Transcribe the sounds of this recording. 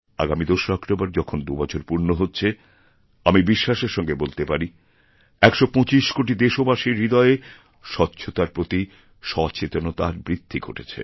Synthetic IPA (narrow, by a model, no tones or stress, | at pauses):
a̰ɡamid̪oʃɔkʈobaɾd͡ʑɔkʰond̪ubɔt͡ɕʰoɾpuɾnoɦotːɕʰe | amibiʃːaʃeɾʃɔŋɡebolt̪epaɾi | ɛkʃopɔ̃t͡ɕiʃkoʈid̪eʃobaʃiɾːid̪ɔee | ʃɔtːɕʰot̪aɾpɾot̪i | ʃɔt͡ɕʰet̪onot̪aɾbɾid̪ʱːiɡʱo̰ʈʰet͡ɕʰḛ